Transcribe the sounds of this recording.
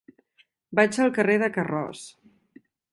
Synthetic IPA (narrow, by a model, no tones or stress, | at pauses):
bad͡ʒəlˠkəreðəkərɔ̰s